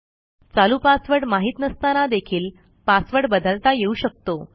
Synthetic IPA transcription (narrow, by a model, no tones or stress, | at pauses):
t͡salupasʋəɽmaɦit̪nəst̪anad̪ekʰiːl | pasʋəɽbəd̪əlt̪ajeuɕək̚t̪o